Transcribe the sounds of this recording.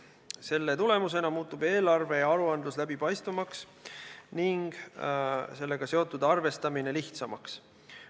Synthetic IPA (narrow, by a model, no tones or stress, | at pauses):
se̞lːe̞t̪ule̞muse̞nɑmuːt̪ˑːube̞ːlɑrve̞jɑɑɾuɑnd̪luslæbipɑjst̪vumɑks | niŋɡ̥ | se̞lːe̞ɡ̥ɑse̞ot̪ːˑud̪̥ɑrve̞st̪ɑmine̞liht̪sɑmɑks